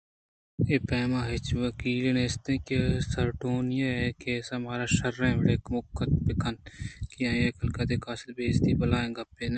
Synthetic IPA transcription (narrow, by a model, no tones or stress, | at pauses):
eːpɛːmaːɦɪt͡ʃʋɐkiːleneːst̪ẽːkesɐɾʈoːnjeekeːsɐmaːɾaːʃɐɾːẽːʋɪɽeːkmʊkːɐt̪pɪkʰɐnkijãːjeːkɐlkɐt̪d̪eːkaːsə̥t̪beːst̪ibɐlaːẽːɡɐpːeːne